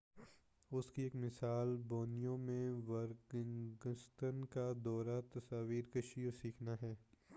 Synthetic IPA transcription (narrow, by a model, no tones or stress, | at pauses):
ʊskieːkmɪsaːlboːnijõmẽʋɐɾɡɡəst̪ʰənkad̪ɔːɾat̪ɐsaːʋiːɾkɐʃijõsiːkʰnaɦɛː